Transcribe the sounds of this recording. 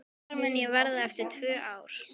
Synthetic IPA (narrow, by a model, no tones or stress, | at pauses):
ɾmɪnjɛvɛɾðaɛft̪ɪɾ̥t̪ʰvœːʔaːwɾ̥